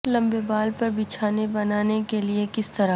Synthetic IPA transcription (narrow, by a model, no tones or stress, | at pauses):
lɐ̃mbebaːlpɐɾbɪt͡ʃʰaːnebɐnaːnekeliekɪst̪ɐɾa